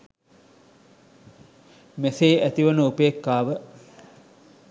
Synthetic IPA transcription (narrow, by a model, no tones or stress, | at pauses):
meseːʔæt̪iʋənəupeːkːaːʋə